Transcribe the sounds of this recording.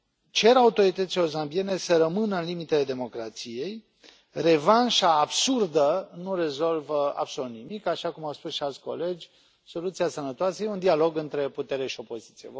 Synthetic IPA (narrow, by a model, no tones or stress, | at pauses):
t͡ʃe̞ɾaut̪o̞ɾit̪ət̪sileozambie̞ne̞səɾəmɨnəɨnlimit̪e̞le̞d̪e̞mo̞kɾat̪sije̞j | re̞vanʃaːbsurd̪ənuɾe̞zo̞lvəa̰bsolut̪nimikaʃakumawspusʃialt̪sʲko̞̰le̞d͡ʒʲ | so̞lut̪siasənət̪oasəjeund̪ialo̞ɡɨnt̪ɾe̞put̪e̞ɾeʃio̞po̞zit̪sije